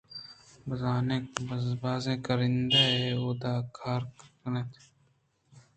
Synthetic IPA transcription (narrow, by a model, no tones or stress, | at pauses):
bɐzaːnebɐzbaːzẽːkɐɾind̪aeod̪aːkʰaːɾkknet̪ʰ